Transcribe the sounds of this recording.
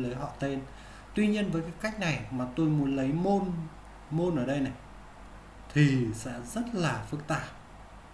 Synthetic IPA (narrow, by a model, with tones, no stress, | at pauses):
lə˨˦jɦɔ̰˧˨t̪e˧n | t̪wi˧ɲi˧ənvəː˨˦jkaː˨˦jka˦˥jk̟̚na˨˩jmaː˨˩t̪o˧jmu˨˦ənlə˨˦jmo˧n | mo˧nʔəː˧˩ɗə˧jna˨˩j | t̪ʰi˨˩sɛ̰˧˥zə˦˥t̚laː˨˩fɨ˦˥k̚t̪aː˧˩p̚